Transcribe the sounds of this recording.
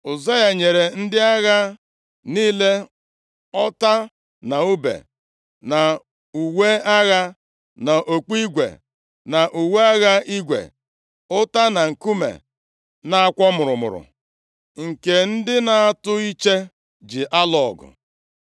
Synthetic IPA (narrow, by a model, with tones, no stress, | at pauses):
ʊ˨za˦ɣa˨ɲe˨ɾe˨n̩˦dɪ˦a˦ɣa˦ | niː˦le˦ | ɔ˦ta˦ | na˨u˦bḛ˨ | na˨ | u˨we˦a˦ɣa˦ | na˨ʔo˨k͡pi˦ɡʷḛ˨ | na˨ʔu˨we˦a˦ɣa˦i˦ɡʷḛ˨ | ʊ˦ta˦na˨ŋ̩˨ku˦mḛ˨ | na˨a˦kʷɔ˦mʊ˨ɾʊ˨mʊ̰˨ɾʊ̰˨ | ŋ̩˨ke˨n̩˦dɪ˦na˨a˦tʊ˦i˦t͡ʃe˦ | d͡ʒɪ˨ʔa˦lɔ˨ɡʊ̰˨